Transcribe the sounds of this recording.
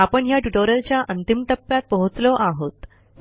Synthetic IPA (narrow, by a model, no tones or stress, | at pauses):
apəɳɦjaʈuʈoɾəlt͡ɕjaʔənt̪imʈəpːjat̪̚pəɦut͡slɔʔaɦot̪